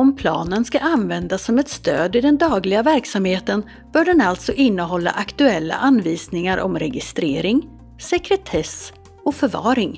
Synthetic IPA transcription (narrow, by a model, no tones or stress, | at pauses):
ɔmpʰlɑːnənskaʔanvɛnd̪asːɔmɛt̪st̪øːd̪ɪd̪ɛnd̪ɑːɡlɪɡavæɾksamheːt̪ən | b̥œːɖɛnalt̪sɔʔɪnːəɦɔlːa̰ʔakt̪ɵɛlːa̰ʔanːviːsnɪŋaɾʔɔ̰mɾɛɡɪst̪ɾeːɾɪŋ | sɛkɾɛt̪ʰɛs | ɔfœɾvɑ̰ːɾɪŋ